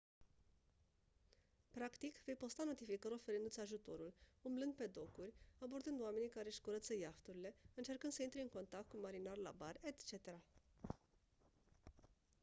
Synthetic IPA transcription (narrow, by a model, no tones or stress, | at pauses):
pɾakt̪ikve̞jpo̞st̪ano̞t̪ifikəɾo̞fe̞ɾɨnd̪ut̪ʲaʒut̪o̞ɾulumblɨnd̪̚pe̞d̪o̞kurʲabo̞rd̪ɨnd̪oame̞nikaɾe̞ɨʃkuɾət̪səjaft̪uɾile̞ɨnt͡ʃe̞rkɨnd̪səint̪ɾe̞ɨŋko̞nt̪ak̚t̪̚kumaɾinarla̰barʲet̪t͡ʃe̞t̪e̞ɾa